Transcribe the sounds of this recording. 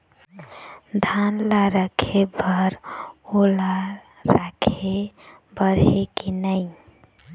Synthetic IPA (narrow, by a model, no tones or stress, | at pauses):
d̪ʱanlaɾəkʰebəɾola | ɾakʰe | bəɾekinəɪ